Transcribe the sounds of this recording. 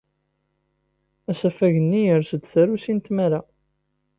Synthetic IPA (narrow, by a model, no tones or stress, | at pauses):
æsæfæʝənːijəɾsəd̪θæɾusint̪mæɾa